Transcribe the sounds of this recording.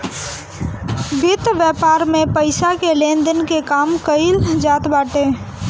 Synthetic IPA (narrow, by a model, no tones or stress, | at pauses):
bɪt̪ʋjəːpaːɾmẽpəɪsakelẽːnd̪ənkekaːmkəɪld͡ʒaːt̪baːʈeː